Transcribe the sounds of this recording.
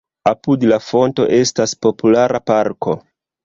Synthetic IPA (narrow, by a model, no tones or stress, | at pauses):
apudlafo̞nto̞̰ʔe̞staspo̞pulaɾapaɾko̞